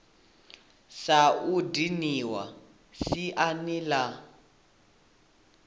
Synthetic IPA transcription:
saudiniwa̰ | siʔanila

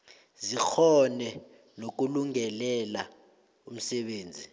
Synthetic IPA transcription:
zik͡xʰɔnɛ | nok̬uluŋɛlɛla | um̩sɛɓeːnd͡zʱi

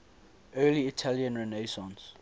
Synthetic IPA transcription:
ɜːliitʰaljə̃nɹɛneɪsɔ̃ns

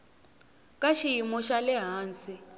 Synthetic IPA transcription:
kʼaʃijimɔʃalɛɦaːnt͡si

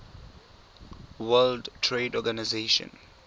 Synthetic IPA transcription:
wɛldtʰɹedɔɡanazeʃɔ̰̃n

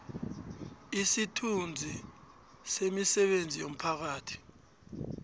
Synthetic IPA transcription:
isitʰund͡zʱi | semisɛɓend͡zʱijom̩pʰak̬aːtʰi̥

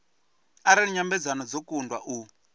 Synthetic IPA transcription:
aɾaiɲambɛd͡zanɔd͡zɔkundwa̰ʔu

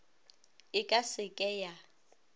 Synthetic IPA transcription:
ɪkʼasɪkʼɛːja

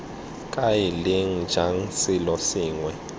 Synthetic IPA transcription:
kʼajiliŋ̩d͡ʒ̥ʱaŋ̩sɪlɔsiːŋwɛ

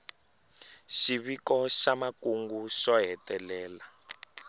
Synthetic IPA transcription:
ʃiβikɔʃamakuŋɡuʃɔɦɛtɛlɛːla

